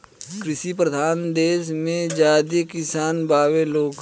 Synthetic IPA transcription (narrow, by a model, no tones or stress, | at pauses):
kɾɪʃipɾəd̪ʱaːnd̪eːsmẽd͡ʒaːd̪ikɪsaːnbaːʋeloːɡ